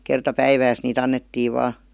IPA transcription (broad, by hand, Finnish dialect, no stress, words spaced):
kertɑ pæiʋæːs niːt ɑnːetːiː ʋɑː